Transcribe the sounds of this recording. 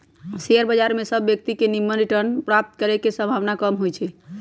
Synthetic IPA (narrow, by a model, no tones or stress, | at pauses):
seəɾbəd͡ʒaɾmesəbːjək̚t̪ikenimːənɾiʈəɾnpɾap̚t̪kəɾɛkesə̃bʱaʋnakəmɦojt͡ʃʰɛ